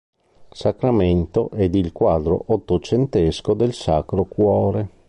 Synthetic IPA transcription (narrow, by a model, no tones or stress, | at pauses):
sakɾament̪oʔɛd̪ilkwaːd̪ɾo̰ʔot̪ːot͡ʃent̪eskod̪elsaːkɾokwɔːɾe